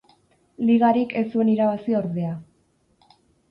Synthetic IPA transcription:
liɣaɾike̞sue̞niɾaβasioɾðe̞a

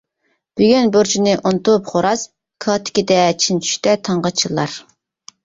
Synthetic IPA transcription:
b̥yɡʲynboɾt͡ʃʰinɨʔont̪upχoɾɑs | kʰɑːt̪ʰɪ̥kʲid̪ɛt͡ʃʰint͡ʃʰy̥ʃt̪ɛt̪ʰɑɴʁɑt͡ʃʰilˠːɑɾ

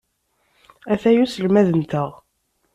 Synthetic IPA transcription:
æθæjusəlmæðənt̪əʁ

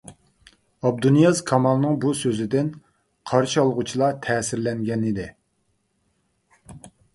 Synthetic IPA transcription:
ɑb̚d̪unijɑzkʰɑmɑlˠnɨŋbusøzɪd̪ɪn | qʰɑɾʃiɑlˠʁʊt͡ʃʰilˠɑt̪ʰɛːsɪɾlɛŋɡʲɛnɪd̪ɪ

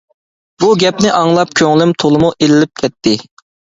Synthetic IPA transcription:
b̥uɡʲɛpnɪʔɑŋlˠɑp̚kʲʰøŋlymt̪ʰolˠɨmuʔelɪlɪp̚kʲʰɛt̪ːɪ

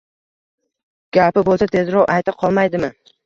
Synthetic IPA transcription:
ɡ̥ʲapɪbolˠsat̪ʰe̞zɾɒwʔajt̪aqʰɒlˠmajd̪ɪmɪ

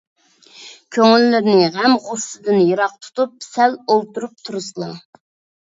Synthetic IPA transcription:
kʲʰøŋylːɪɾnɪʁæmʁʊssɨd̪ɪnjeɾɑq̚t̪ʰu̥t̪up̚sɛlolˠt̪uɾup̚t̪ʰuɾɨsɨlˠɑ

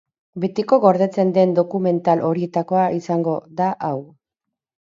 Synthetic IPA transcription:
be̞t̪iko̞ɣo̞ɾðe̞t͡se̞nd̪e̞nd̪o̞kume̞nt̪alʔo̞ɾie̞t̪ako̞aʔisaŋɡo̞ðaʔaw

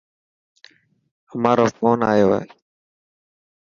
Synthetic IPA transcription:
əmaːɾoːfoːnaːjo̰ːɦeː

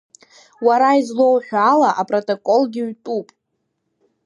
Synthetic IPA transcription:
waɾaizlo̞wħᶣalaʔapʼrotʼokʼolɡʲɪɥtʼupʼ

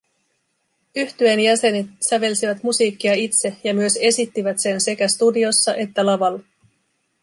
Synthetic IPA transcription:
yht̪yenjæse̞nit̪sæʋe̞lsiʋæt̪musiːkːiɑit̪se̞jɑmyøse̞sit̪ːiʋæt̪se̞nse̞kæst̪udio̞sːɑʔe̞t̪ːælɑʋɑlː

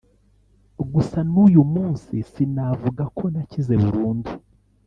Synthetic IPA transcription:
ɡusanujumuːnsisinavuɡakʰo̞nacize̞βuɾuːndu

